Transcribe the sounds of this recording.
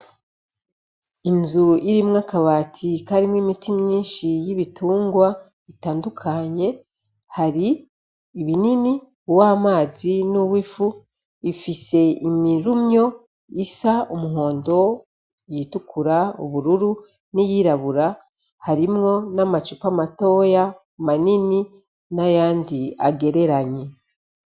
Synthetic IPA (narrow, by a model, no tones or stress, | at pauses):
inzuiɾimŋakaβaːtʰikaɾimwimitimɲiːnʃijiβitʰuːŋɡwa | itaːndukʰaɲe̞ | haɾiː | βinini | waːmaːzinuβwifu | ifise̞imiɾumɲo̞ | isaumuɦo̞ːndo̞ | jitukʰuɾaṵβuɾuɾu | nijiːɾaβuɾa | haɾimŋo̞namat͡ʃupamato̞ːja | manini | najaːndia̰ɡe̞ɾe̞ɾaɲe̞